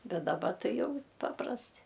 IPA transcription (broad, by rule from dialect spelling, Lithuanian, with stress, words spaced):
ˈbʲɛt dɐˈbɐ ˈtɐɪ ˈjɛʊ ˈpɑːprɐsʲtʲɪ